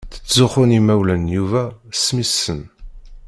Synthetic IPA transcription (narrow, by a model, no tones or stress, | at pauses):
θə̥t͡sːzʊχʊnimæwlænjuvæsmisːən